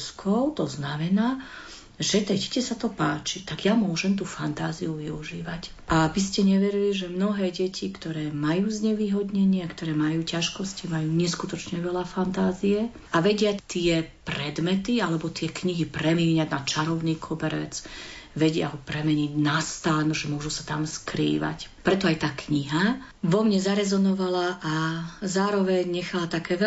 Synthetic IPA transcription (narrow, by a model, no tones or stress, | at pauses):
skʰɔʊt̪ɔznamɛnaː | ʒɛt̪ɛɟɛcɛsat̪ɔpaːt͡ʃit̪aɡjamʊɔʒɛmt̪ufant̪aːzijuʋiuʒiːʋac | ʔabiscɛɲɛʋɛɾiliʒɛmnɔɦɛːɟɛcʰikt̪ɔɾɛːmajuːzɲɛʋiːɦɔd̪ɲɛɲɪɛkt̪ɔɾɛːmajuːcaʃkɔscimajuːɲɛskut̪ɔt͡ʃɲɛʋɛʎafant̪aːzijɛ | aʋɛɟɪat̪ɪɛpɾɛd̪mɛt̪ialɛbɔt̪ɪɛkɲiɦipɾɛmiɛːɲaɟnat͡ʃaɾɔʊniːkʰɔbɛɾɛ̰d͡zʋɛɟɪa̰ɦɔpɾɛmɛɲiɟnast̪aːnuʒɛmʊɔʒusat̪amskɾḭːʋa̰cpɾɛt̪ɔajt̪aːkɲiɦa | ʋɔmɲɛzaɾɛzɔnɔʋalaʔazaːɾɔʋɛɲɲɛxalat̪akɛːʋɛ